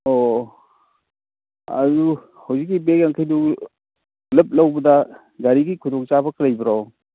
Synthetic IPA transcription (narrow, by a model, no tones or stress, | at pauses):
o | ɐ̰du | hawzik̬̚ːibekjaŋkʰajdu | lɐp̚lɐwbɐdɐ | ɡaɾiɡikʰudɔk̚t͡ʃabɐkʰɾajbɐɾaw